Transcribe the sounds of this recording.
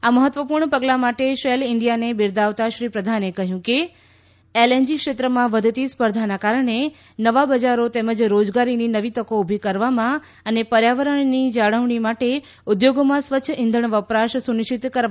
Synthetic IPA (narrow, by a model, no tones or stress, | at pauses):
aməɦət̪ʋəpuɾɳəpəɡlamaʈeʃelɪɳɖijanebɪɾd̪aʋt̪aʃɾipɾəd̪ʱanekəɦjũke | elend͡ʒikʃet̪ɾəmãʋəd̪ʱt̪ispəɾd̪ʱanakaɾəɳe | nəʋabəd͡ʒaɾot̪eməd͡ʒɾod͡ʒɡaɾininəʋit̪əkoubʱikəɾʋamã | ənepəɾjaʋəɾəɳnid͡ʒaɽəʋɳimaʈe | ʊd̪joɡomãsʋətːʃʰəʔɪ̃nd̪ʱəɳ̃ʋəpɾaʃsunɪt͡ʃit̪kəɾ